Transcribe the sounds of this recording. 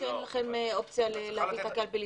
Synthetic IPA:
ellaχemeopt͡sjaleleavit̪akealbeli

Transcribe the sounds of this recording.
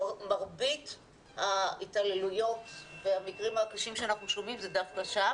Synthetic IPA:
maʁbit | haitale̞lujo̞tveamikʁimhakaʃimʃeanaχnuʃo̞mimzedafkaʃa

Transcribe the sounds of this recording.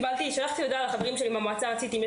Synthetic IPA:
balt̪iʃalaχt̪ijod̪alaχaveʁimʃelimamoat͡saat͡sit̪ime

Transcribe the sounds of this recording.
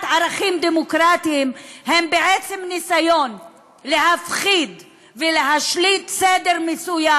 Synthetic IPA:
t̪ʕaɾaχimd̪emokɾat̪iːmhembeʕet͡semnisajo̞n | leɦafχid̪ | veleɦaʃlit̪sed̪eʁmesuja

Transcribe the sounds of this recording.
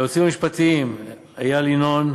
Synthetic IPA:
ot͡simiʃpat̪im | ajalinon

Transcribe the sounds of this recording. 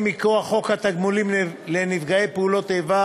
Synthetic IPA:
mikoaχo̞khat̪aɡmulimlenivɡaejpeulo̞t̪eva

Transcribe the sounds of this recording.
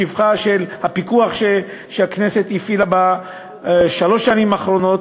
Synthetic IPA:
ivχaʃelhapikuaχʃe | ʃeakne̞se̞t̪ifilaba | ʃalo̞ʃːanimaχʁo̞no̞t̪

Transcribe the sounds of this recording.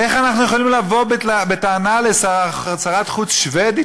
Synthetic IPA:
eχanaχnujeχolimlavo̞beabet̪aːnalesaaχsaʁat̪χut͡sʃved̪i

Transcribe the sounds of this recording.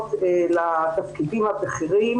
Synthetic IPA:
telat̪afkidimhabeχiʁim

